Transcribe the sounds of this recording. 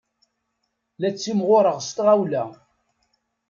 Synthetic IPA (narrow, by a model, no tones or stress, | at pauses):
læt͡sːimʁʊɾəʁst̪ʁawlæ